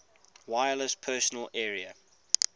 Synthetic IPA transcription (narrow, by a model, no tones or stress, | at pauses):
waɪələspʰɜːˑsənəlɛːɹiə